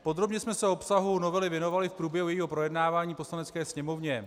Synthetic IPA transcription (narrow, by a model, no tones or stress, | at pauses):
po̞d̪ɾo̞bɲɛsmɛsɛopsaɦuno̞vɛlɪvjɛno̞valɪfpɾuːbjɛɦujɛjiːɦo̞pɾo̞jɛdnaːvaːɲiːpo̞slanɛt͡skɛːsɲɛmo̞vɲɛ